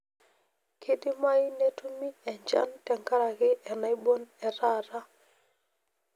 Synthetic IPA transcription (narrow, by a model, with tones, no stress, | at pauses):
kʰe˦di˦ma˦jne˦tu˦mi˦ɛ˨ɲd͡ʒa̰˦ntɛ˨ŋka˦ɾa˨kɪ˦ʔɛ˨na˦jbo˦nɛ˨ɾa˦ɾa˦